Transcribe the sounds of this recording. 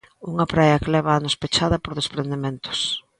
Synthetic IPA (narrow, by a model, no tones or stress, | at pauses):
uŋɐpɾajɐklɛβɐanospet͡ʃaðɐpoɾðespɾend̪emẽnt̪ʊ̥s